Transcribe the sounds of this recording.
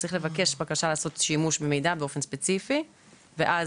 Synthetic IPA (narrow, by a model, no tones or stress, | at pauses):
t͡sʁiχle̞vake̞ʃbakaʃaleaːso̞tʃimuʃbemejdabeo̞fe̞nspet͡sifi | veʔaz